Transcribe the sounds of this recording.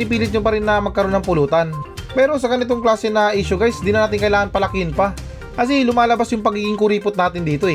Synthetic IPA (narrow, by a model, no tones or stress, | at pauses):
nɪpiːlɪt̪̚ɲopɐɾɪnːɐmɐɡ̚kɐɾo̞nːɐŋpʊluːt̪ɐnpɛːɾo̞sɐɡɐnɪt̪o̞ŋklaːsɛnɐʔiːʃʊɡajsd̪ɪnɐnaːt̪ɪnŋkɐʔɪlaːŋɐnpɐlɐkɪɪnpɐ | kɐs̬ɛlʊmaːlɐbasjʊŋpɐɡiːɡɪŋkʊɾiːpʊt̪naːt̪ɪnd̪iːt̪o̞ʔɛ